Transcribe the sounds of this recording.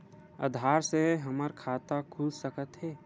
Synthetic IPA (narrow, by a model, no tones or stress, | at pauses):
ə̰d̪ʱaːɾseɦəməɾkʰaːt̪akʰuːlsəkət̪ɦɛː